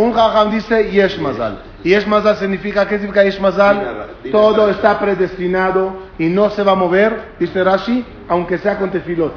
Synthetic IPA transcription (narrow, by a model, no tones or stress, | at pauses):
ũŋʁaɣamd̪isejeʃmaza̰l | jeʃmazals̬iɣnifikakesnifikajeʃmazalt̪od̪oest̪apɾeðest̪inaðoinõseβamoβeɾd̪iseɾaʃi | awŋkeseakõnt̪efilo